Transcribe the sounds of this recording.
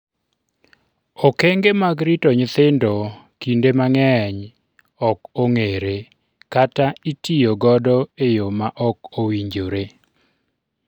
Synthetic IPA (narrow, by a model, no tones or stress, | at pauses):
ɔkeŋɡemaɡɾitɔɲɪt̪ɪndɔ | kindemaŋɛɲ | ɔkoŋeɾe | kataitijoɡɔdɔejomaʔɔkowiɲd͡ʒoɾe